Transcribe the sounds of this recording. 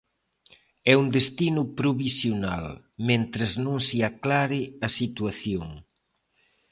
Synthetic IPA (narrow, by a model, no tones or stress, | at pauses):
ɛund̪est̪inʊpɾoβisjona̰l | mẽnt̪ɾeznõŋsɪaklaɾɪɐsit̪waθjoŋ